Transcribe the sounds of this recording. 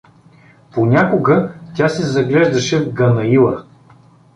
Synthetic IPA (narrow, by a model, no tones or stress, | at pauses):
ponʲakʊɡətʲasɛzɐɡlɛʒd̪ɐʃɛvɡɐnɐilˠə̰